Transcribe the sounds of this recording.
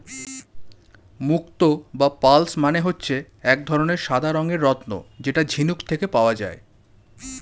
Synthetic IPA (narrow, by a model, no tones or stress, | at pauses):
mukt̪obapalsmaneɦotːɕʰe | ɛk̚d̪ʱɔɾoneɾʃad̪ʱaɾɔŋeɾːɔt̪no̰d͡ʑeʈad͡ʑʱinukt̪ʰekepaoad͡ʑa̰e